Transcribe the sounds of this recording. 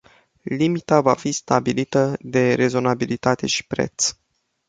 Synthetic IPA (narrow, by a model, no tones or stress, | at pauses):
limit̪avafist̪abilit̪əd̪e̞ɾe̞zo̞nabilit̪at̪e̞ʃi̥pɾe̞̰t̪s